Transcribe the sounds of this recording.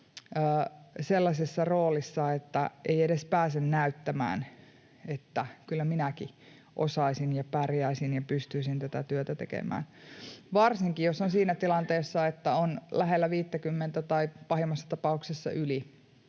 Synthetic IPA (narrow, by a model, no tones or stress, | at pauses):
əːselːɑsʲesːɑroːlisːɑet̪ːæʔeiedespæːsennæyt̪ːæmæ̰ːn | et̪ːækylːæminæki | ʔo̰sɑisinjɑpærjæisinjɑpyst̪yisint̪æt̪æt̪yøt̪æt̪ḛkḛmæ̰ːnʋɑrsiŋkijosonsiːnæt̪ilɑnt̪eːsːɑet̪ːæonlæɦelːæʋiːt̪ːækymːent̪æt̪ɑipɑhimːɑsːɑ̥t̪ɑpɑuksesːɑ̰ʔyli